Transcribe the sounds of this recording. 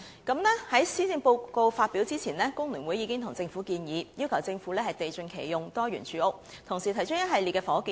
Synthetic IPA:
kɐ˨˥mlɛː˥hɐ˨˥jsiː˥t͡sɪ˧ŋpo˧wko˧wfaː˧t̚piː˨˥wt͡siː˥t͡sʰiː˨˩nlɛː˥kʊ˥ŋlyː˨˩nwu˨˥jiː˨˧kɪ˥ŋt̪ʰʊ˨˩ŋt͡sɪ˧ŋfu˨˥kiː˧njiː˨˧jiː˥wkʰɐ˨˩wt͡sɪ˧ŋfu˨˥lɛː˥hɐ˨jt̪e˨jt͡sɵ˧nkʰḛ˨˩jjʊ˨ŋt̪ɔː˥ɥyː˨˩nt͡ʃʰyː˨˥ʊ˥k̚ | t̪ʰʊ˨˩ŋsiː˨˩t̪ʰɐ˨˩jt͡ʃʰɵ˥jɐ˥t̚hɐ˨jli˨tkɛː˧fɔː˨˥ki˧

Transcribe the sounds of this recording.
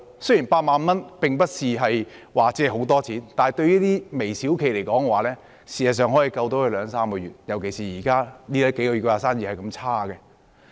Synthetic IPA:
sɵ˥jiː˨˩npaː˧t̚maː˨nmɐ˥npɪ˨ŋpɐ˥t̚siː˨ɦɐ˨jwaː˨t͡sɛː˥˨ɦo˨˥wt̪ɔː˥t͡sʰiː˨˥nt̪aː˨nhɐ˨jt̪ɵ˧ɥliː˥t̪iː˥me˨˩jsiː˨˥wkʰe˨˩jle˨˩jkɔː˨˥ŋkɛ˧waː˨lɛː˥ | siː˨˩sɐ˨˩s̬œː˨ŋɦɔ˨˥jiː˨˧kɐ˧wt̪o˨˥wkʰɵ˧lœː˨˧ŋsaː˥mkɔː˧jyː˨t̚jɐ˨˩wke˨˩jsiː˨˩jiː˨˩kaː˥niː˥lɛ˥ke˨˥jkɔ˧jy˨˩kɔː˧aː˨˧saː˥njiː˨˩hɐ˨jkɐ˧mt͡sʰaː˥ɡɛ˧

